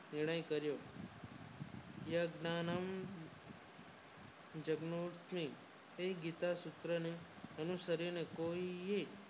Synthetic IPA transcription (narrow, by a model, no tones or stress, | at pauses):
nɪɾɽ̃əjkəɾjo | jəɡnanəm | d͡ʒəɡnoʈsmĩ | eɡit̪asʊt̪ɾəne | ənusəɾinekoie